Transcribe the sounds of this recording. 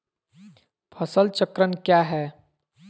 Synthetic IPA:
pʰəsəlt͡ʃəkɾənkjaːɦɛː

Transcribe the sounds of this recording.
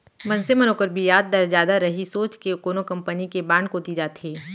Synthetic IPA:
mɐ̃nsemɐnoːkəɾbʱijaːd̪̚ːɐɾd͡ʒjaːd̪aɾɐɦisoːt͡ʃkekoːnokɐ̃mpənikebãːɳɖkoːt̪id͡ʒaːt̪eː

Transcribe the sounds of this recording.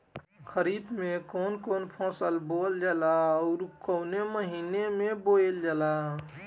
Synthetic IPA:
kʰəɾid̪mẽkoːnkoːnpʰɔ̃ːsəlbold͡ʒalaɔːɾkəʊneməɦiːnemeboeld͡ʒaːla

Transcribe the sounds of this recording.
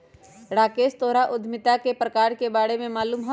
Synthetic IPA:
ɾaːkeːst̪oːɾaʔʊd̪ʱmɪt̪akepɾɐkaːɾkebaːɽemẽmaːluːmɦo

